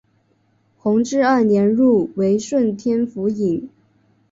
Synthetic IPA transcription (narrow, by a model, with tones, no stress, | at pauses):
xʊ˧˥ŋʈ͡ʂɻ̩˥ɐ˥˩njɛ˧˥nɻu˥˩we˧˥ɪʂwə˥˩nt̪ʰjɛ˥nfu˧˥i˨˩˦ŋ